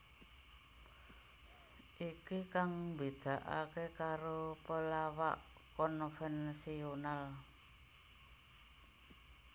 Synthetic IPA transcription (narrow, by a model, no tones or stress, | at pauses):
ʔikikaŋbid̪̥a̤ʔa̰kekaɾopəlawaʔkɔnfɛnsional